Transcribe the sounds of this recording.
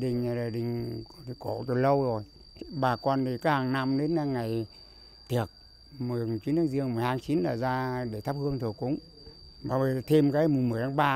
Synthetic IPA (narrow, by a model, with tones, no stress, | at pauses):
ɗï˨˩ŋ̟a˨˩ɗa˨˩ɗï˨˩ŋ̟˨˦˧ko̰˧˩˨t̪o˨˩jlə˧wzo˨˩j | ɓaː˨˩kɔ˧nt̪ʰi˨˩kaː˨˦˥haː˨˩ŋna˧mɗe˨˦na˧ŋːa˨˩j | t̪ʰi˨˩ək̚ | mɨ˨˩ə˩˨˩t͡ɕi˨˦nt̪ʰaː˨˦ŋzi˧əŋmɨ˨˩˨jhaː˧ŋt͡ɕi˨˦nɗaː˨˩zaː˧ɗe˧˩t̪ʰa˦˥p̚hɨ˧əŋt̪ʰu˨˩kʊ̰˧˥ŋ͡m | ɓaː˨˩vi˨˩˨t̪ʰe˧mkaː˨˦m˨˩ŋ͡mmɨ˨˩əjt̪ʰaː˨˦ŋɓaː˧